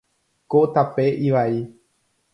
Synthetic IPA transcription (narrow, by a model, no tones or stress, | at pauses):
kot̪apeʔiʋai